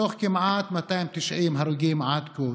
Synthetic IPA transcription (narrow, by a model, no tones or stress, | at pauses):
oχkɪmʕat̪mat̪ajmt̪iʃʕimɦaɾuɡimʕad̪ku